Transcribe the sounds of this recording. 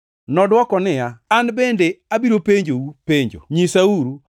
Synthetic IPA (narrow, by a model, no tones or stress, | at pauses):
nɔdwɔkɔnɪjaanbendeabiɾopeɲd͡ʒoupeɲd͡ʒo̰ɲisauɾu